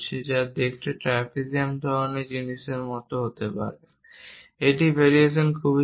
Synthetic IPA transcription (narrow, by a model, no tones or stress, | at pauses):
t͡ɕʰed͡ʑad̪ekʈeʈɾɛpʰikiamd̪ʱɔɾoned͡ʑiniʃeɾmɔt̪oɦot̪epa̰ɾe | eʈibeɾieʃonkʰubi